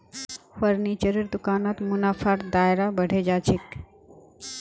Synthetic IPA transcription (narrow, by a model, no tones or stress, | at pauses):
fəɾnit͡ʃəɾiɾd̪ukaːnat̪munapʰaɾd̪ajɾabəɽ̤ed͡ʒat͡ʃʰik